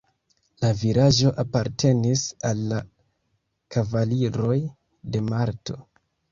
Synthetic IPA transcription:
laviɾaʒo̞ʔapaɾtʰe̞nisalːa | kavaliɾo̞j | de̞maɾto̞̰

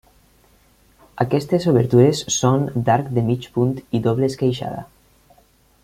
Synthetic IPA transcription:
akɛst̪ezoβeɾt̪uɾesːond̪aɾkd̪emit͡ʃpunt̪iðoβleskejʃa̰ða̰

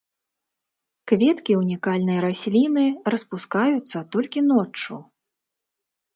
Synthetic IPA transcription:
kvʲɛt̪kʲiunʲikalʲnɐjɾasʲlʲinɨrɐspuskajut̪sːɐt̪ɔlʲkʲinɔt͡ʂːu

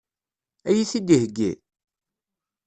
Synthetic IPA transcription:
æjisid̪ihəɡːḭ

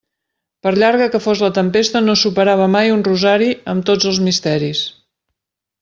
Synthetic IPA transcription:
pəɾʎaɾɣəkəfozlət̪əmpest̪ənosupəɾaβ̞əmajunruzaɾiəmt̪od͡zəlˠzmist̪ɛɾis

